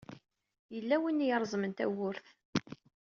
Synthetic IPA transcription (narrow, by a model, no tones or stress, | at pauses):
jəlːæwinːjəɾˤzˤmənt̪æ̰wʊɾθ